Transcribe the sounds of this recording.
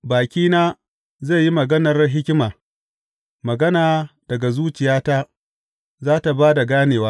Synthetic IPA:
baː˨kʲiː˦naː˦ | ze˦˨ji˦mɐ˨ɡɐ˦nɐ˨rɦɪ˦kʲɪ˦maː˨ | mɐ˨ɡɐ˦naː˨d̥ɐ˨ɡa˨zuː˦t͡ʃɪ˨jaː˦ta˦ | zaː˦ta˨baː˦da˨ɡaː˦neː˨waː˦

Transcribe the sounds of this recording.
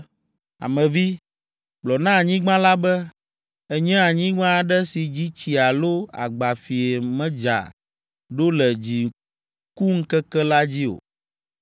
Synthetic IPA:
a̰˨mɛ̃˨vi˦ | blɔ˨nã˦˨ɲĩ˦ɡ͡bã˦la˦bɛ˦ | ɛ˦ɲɛ̃˦a˨ɲĩ˦ŋã˦˨ɖɛ˦si˨d͡ʑi˦t͡ɕi˨a˨lo˦a̰˨ɡ͡ba˨fi˨ɛ˨mɛ̃˦d͡ʒa̰˨ | ɖo˦lɛ˨d͡ʑi˨ | ku˦ŋ̩˦kɛ˦kɛ˦la˦d͡ʑi˦o̰˨

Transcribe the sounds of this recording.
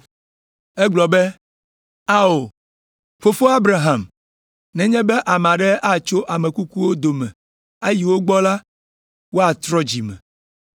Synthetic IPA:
e˦ɡ͡blɔ˨be˦ | a˦o˨ | ɸo˨fo˦a˦bɾa˨ɦã˨m | nɛ̃˨ɲɛ̃˦bɛ˦ʔa˨m˨ã˨ɖɛ˦a˦t͡ʃo˦ʔa˨mẽ˨ku˦ku˦wo˦d̪o˨mɛ̰̃˨ | e˦ji˨wo˦ɡ͡bɔ˦la˦ | wo˦a˨t̪ɾɔ˦d͡ʑi˨mɛ̰̃˨

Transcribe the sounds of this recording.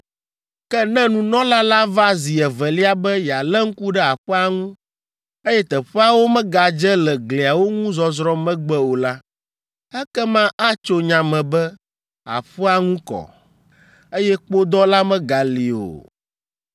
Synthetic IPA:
kɛ˦nɛ̃˦nũ˨nɔ̃˦la˦la˦va˦zi˨ɛ˨vɛ˨li˦a˦bɛ˦ja˨lɛ˦ŋ̩˦ku˦ɖɛ˦a˨ɸɛ˦a˨ŋũ˦ | e˦jɛ˦t̪ɛ˨ɸɛ˦a˦wo˦mɛ̃˦ɡa˨d͡ʒɛ˦lɛ˨ɡle˨a˨wo˦ŋũ˦zɔ˨zɾɔ˦mɛ̃˦ɡ͡bɛ˦o˨la˦ | ɛ˦kɛ˦mã˦ʔa˦t͡ʃo˦ɲã˨mɛ̃˨bɛ˦ | a̰˨ɸə˦a˦ŋũ˦kɔ̰˨ | e˦jɛ˦k͡po˦d̪ɔ˦la˦mɛ̃˦ɡa˨li˨o̰˨

